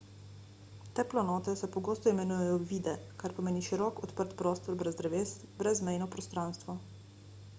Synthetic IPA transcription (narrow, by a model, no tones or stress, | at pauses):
t̪ɛplɔnɔːt̪ɛsɛpɔɡoːst̪ɔimɛnujɛjɔʋiːd̪ɛkaɾpɔmeːniʃiɾɔkɔt̪pəɾt̪pɾɔːst̪ɔɾbɾɛzd̪ɾɛʋeːsbɾɛzmɛjnɔpɾɔst̪ɾaːnst̪ʋɔ